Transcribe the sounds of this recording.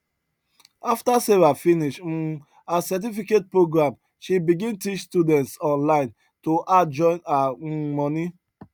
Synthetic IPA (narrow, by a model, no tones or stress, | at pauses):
aftasevafiniʃ̩ | asat̬ifiket̚pɹoɡɹãm | ʃibiɡĩntit͡ʃstjudɛ̃ntsɔ̃nlãɪ̃n | toʔad͡ʒɔ̃ɪ̃namɔni